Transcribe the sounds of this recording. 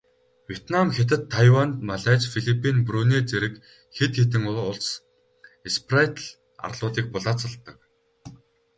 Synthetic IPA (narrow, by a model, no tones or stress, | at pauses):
wjet̪namxet̪̬ɘ̆t̪ʰːajwant̪maɮæːt͡ɕfiɮipʰːinpɾuːniːt͡seɾɘ̆k | xet̪xet̪ɘ̆ŋʊʊɮs | esprat̪ɮ | a̰rɮʊːt̪iːk̚pʊɮaːt͡sə̆ɮt̪ːə̆k